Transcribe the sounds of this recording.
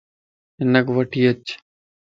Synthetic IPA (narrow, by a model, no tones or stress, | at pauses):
ɪnəkʋəʈʰiːət͡ʃ